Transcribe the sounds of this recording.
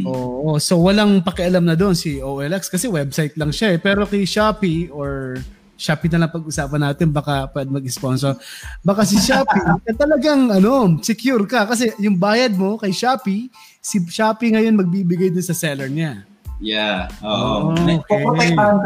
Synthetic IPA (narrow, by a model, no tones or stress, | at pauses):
ʔoːʔoso̞wɐlaŋpɐkɛʔɐlamnɐd̪o̞nsiʔoːʔɛlʔɛkskɐsɛwɛbsajt̪̚lɐŋʃaɛpɛːɾo̞kɐjʃaːpiʔoɹ | ʃaːpinɐlɐŋpɐɡʔʊsaːpɐnaːt̪ɪnbɐkapwɛd̪̚mɐɡ̚ɪsponsoɾbɐkas̬ɪʃaːpikɐt̪ɐlɐɡaŋʔɐno̞sɛkjuɾkɐkɐs̬ɛjʊŋbaːjɐd̪̚mo̞kɐjʃaːpi | siʃaːpiŋɐjo̞nmɐɡ̚biːbɪɡajd̪ʊnsɐsɛlɛɹɲa | jaʔookɛ